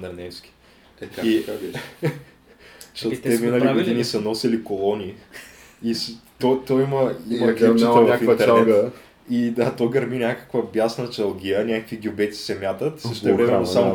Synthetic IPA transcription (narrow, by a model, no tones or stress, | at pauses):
nɐɾnɛfskʲi̥ | ai | ʃot̪ːɛminəliɡod̪inisɐnɔsilikolˠɔni | ist̪ot̪ojiməiməkt͡ʃit̪ɛvɲakfint̪ɛɾɛɡ | id̪at̪ojɡɐɾminʲakə̥kvəbjasnət͡ʃɐlˠɡʲiənʲakəkviɡʲiʊbɛt̪si̥sɛmʲjat̪ət̪səʃt̪ɛvɾɛmɛnosamʊ